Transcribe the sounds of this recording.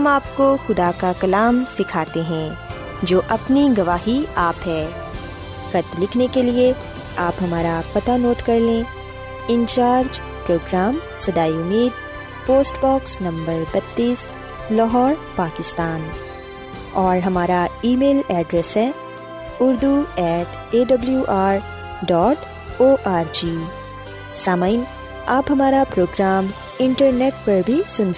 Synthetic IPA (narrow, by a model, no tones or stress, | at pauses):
ɐmaːp̚koxʊd̪akakɐlaːmsɪkʰaːt̪eɦɛ̃ː | d͡ʒoːʔɐpniɡɐʋaːɦiaːpɦɛː | xɐt̪lɪkʰnekelie | aːpɦɐmaːɾapɐt̪anoːʈkɐɾlẽ | ɪ̃nt͡ʃaːɾd͡ʒ | pɾoːɡɾaːmsɐd̪aːiʊmiːd̪̚ | poːsʈbɔːksnɐ̃mbəɾbɐt̪ːiːs | lɔɦɔːɾpaːkɪst̪aːn | ɔːɾɦɐmaːɾaiːmeːlɛːɖɾɛsɦɛː | ʊɾd̪uɛːʈʰ | eːɖɐbljuʔaːɾ | ɖɔːʈ | oːʔaːɾd͡ʒiː | saːməɪn | aːpɦɐmaːɾapɾoːɡɾaːm | ɪ̃ɳʈəɾneːʈ̚pɐɾbʱisʊns